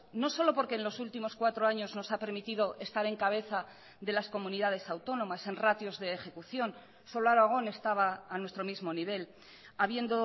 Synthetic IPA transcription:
no̞so̞lo̞po̞ɾke̞ːnlo̞sult̪imo̞skwat̪ɾo̞aɲo̞zno̞sapeɾmit̪ið̞o̞ʔe̞st̪aɾe̞ŋkaβ̞e̞θa | ðe̞lasko̞muniðað̞e̞sawt̪o̞nõ̞mase̞nrat̪jo̞zðe̞ːxe̞kuθjo̞n | so̞laɾoaɣ̞o̞ne̞st̪aβaːnwest̪ɾo̞mizmo̞niβ̞e̞l | aβ̞je̞nd̪o̞

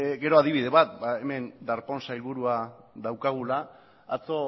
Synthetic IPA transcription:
ɡe̞ɾo̞að̞iβiðe̞βat̪̚baeme̞nd̪aɾpo̞nsailβuɾua | ðawkaɣ̞ulaː | t͡so̞

